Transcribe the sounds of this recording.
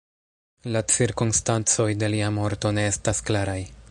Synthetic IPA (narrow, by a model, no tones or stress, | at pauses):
lat͡siɾkunstant͡so̞jde̞liamo̞ɾto̞ne̞e̞stasklaɾaj